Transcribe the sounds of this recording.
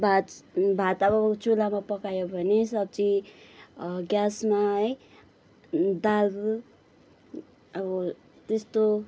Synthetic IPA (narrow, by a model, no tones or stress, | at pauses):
bʱat̪bʱat̪ʌbʌt͡sulamapʌkajobʱʌnesʌb̚t͡si | ɡʲjasmaʌj | d̪alɡ | ʌbʌ | t̪est̪o